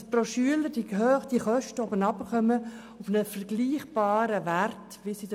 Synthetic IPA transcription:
proʃyələɾd̥id̥iχœʃtəɔbənɑbəχœmə | ufnəfəɾɡ̥liːχb̥ɑːɾəʋært | ʋisid

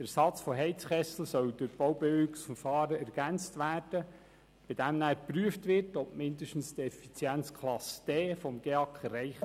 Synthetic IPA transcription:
d̥æɾsɑt͡sfɔɦɛɪt͡sχɛsl̩sœwdʊɾb̥owbɛøksfəfɑːɾəæɾɡ̥ænt͡stʋæːɾd̥ə | b̥ɪd̥æmnæːɾpɾyəftʋɪrtɔbmɪndəʃtn̩stɛfit͡sjænt͡skʰlɑsd̥ɛːfɔmɡ̥eɑkχɛrɛɪχ

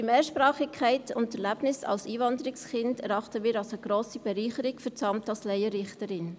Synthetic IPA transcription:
d̥imeːʃpɾɑːχɪkʰχɛɪtʊntːɛɾlæb̥nɪsɑ̰lsiːvɑndəɾɪksχɪndɛɾɑχtəmiːɾɑlsoəɡ̥ɾoːsib̥ɛɾiːχəɾɪkfʏt͡sɑmtɑlslɛɪəɾɪχtəɾɪn

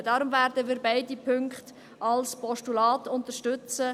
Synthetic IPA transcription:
d̥ɑːɾʊmvɛːɾdəmiːɾbaɪdipʰʏŋkχt | ʔɑlspʰɔʃtulɑːtʊntəɾʃtʏt͡sə

